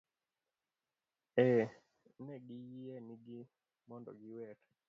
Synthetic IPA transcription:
ɛ | nɛɡijieniɡi | mɔndɔ̰ɡiwɛɾ

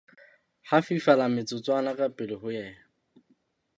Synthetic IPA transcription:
hafifalamɪt͡sʼʊt͡sʼwanakʼapʼɪlɪhʊjɛː

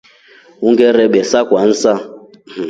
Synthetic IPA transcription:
uŋɡɛɾɛɓɛsakwan̩sa

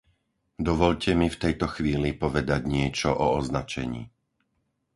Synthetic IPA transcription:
d̪ɔʋɔʎcɛmift̪ɛjt̪ɔxʋiːlipɔʋɛd̪aɟɲɪɛt͡ʃɔʔɔɔznat͡ʃɛ̰ɲḭː

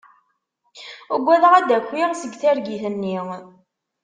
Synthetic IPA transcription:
əɡʷːæðəʁæd̪ækːwiɾsəɡθæɾɡiθənːiŋ

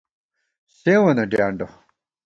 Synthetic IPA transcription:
ɕewɐnɐɖjaːɳɖo

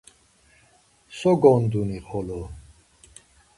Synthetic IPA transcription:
sɔɡɔnd̪uniχɔlɔ

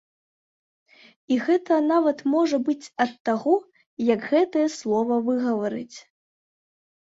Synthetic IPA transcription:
iɣɛt̪ɐnavɐt̪mɔʐɐbɨt͡sʲɐt̪ːaɣɔ | jɐɡɣɛt̪ɐjɐslˠɔvɐvɨɣɐvaɾɨ̰t͡sʲ

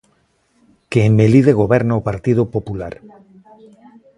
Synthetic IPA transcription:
keːmːeliðeɣ̞oβɛɾnaopaɾt̪ið̞opopula̰ɾ

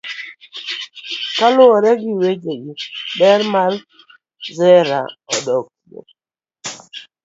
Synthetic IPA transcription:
kalʊɔɾɛɡiwed͡ʒeɡibɛɾmal | zɛɾa̰ɔdɔk̚tio̰

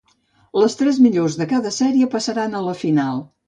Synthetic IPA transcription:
ləst̪ɾɛzmiʎozðəkaðəsɛɾiəpəsəɾanələfinalˠ

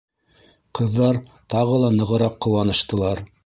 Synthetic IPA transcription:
qɤ̆ðːɑɾ | t̪ɑʁɤlˠɑnɤ̆ʁɤ̆ɾɑqːŏwɑnɤ̆ʃt̪ɤ̆lˠɑɾ

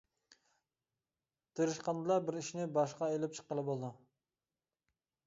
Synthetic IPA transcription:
t̪ʰeɾɨʃqɑnd̪ɨlˠɑbɪɾiʃnɪbɑʃqɑelɪp̚t͡ʃʰə̥qːəlˠɨbolˠd̪u

